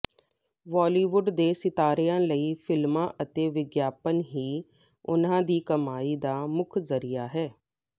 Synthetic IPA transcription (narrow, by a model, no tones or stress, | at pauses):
ʋɔːliːʋʊɖd̪eːsɪt̪aːɾejãːləiːpʰɪlmãːʔət̪eːʋɪɡjaːpənɦiː | ʊ̰nãːd̪iːkəmaːiːd̪aːmʊkʰzəɾijaːɦɛː